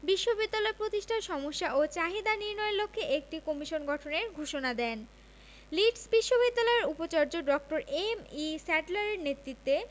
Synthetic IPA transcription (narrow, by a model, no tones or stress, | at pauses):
biʃːobid̪ːalɔepɾot̪iʃʈʰaʃɔmoʃːaʔot͡ɕaɦid̪aniɾnɔelokʰːeʔek̚ʈikomiʃonɡʱɔʈʰoneɾɡʱoʃonad̪ɛn | liʈsbiʃːobid̪ːalɔeɾupot͡ɕaɾd͡ʑoɖɔk̚ʈoɾemisɛʈlaɾeɾnet̪ɾit̪ːe